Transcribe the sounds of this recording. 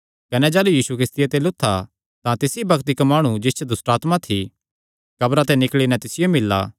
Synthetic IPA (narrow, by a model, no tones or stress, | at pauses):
kɐnɛd͡ʒɛːlujiːsukɾɪst̪ijet̪elʊt̪ʰːa | t̪ãt̪ɪsibɐkt̪ɪkmaːɽ̃ud͡ʒɪst͡ʃʰed̪ʊsʈaːt̪mãt̪ʰi | kɐbɾat̪ɛnɪkɭinɛt̪ɪsɪjomɪlːa̰ː